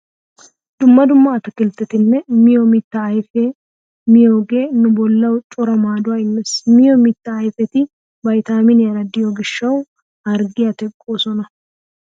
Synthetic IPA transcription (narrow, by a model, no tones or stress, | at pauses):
d̪̥ʊmːɐd̪ʊmːɐːt̪ɐkɪlt̪ːɛt̪ɪnːɛmɪjɔmɪt̪ːɐɐjfe | mɪjoːɡe̞ːnʊbɔlːɐwt͡ʃʼʊɾɐmaːd̪ʊaɪnːɛsmɪjɔmɪt̪ːɐːjfɛt̪ɪ | bɐjt̪aːmɪnjɐɾɐd̪ɪjoɡɪʃːɐw | ɐɾɡɪjɐt̪ɛkʼːoːsɔnɐ